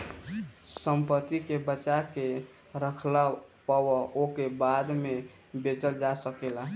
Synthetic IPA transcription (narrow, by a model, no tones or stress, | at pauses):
səmpət̪ikebət͡ʃake | ɾəkʰlapəwəokebad̪me | bet͡ʃəld͡ʒasəkela